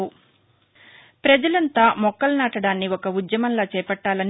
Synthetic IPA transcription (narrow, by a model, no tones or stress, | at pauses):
u | pɾɐd͡ʒɐlɐnt̪aːmɔkːɐlnaːʈɐɽaːnːiɔkɐud̪jɐmɐnlaːt͡ʃɛːpɐʈːaːlɐn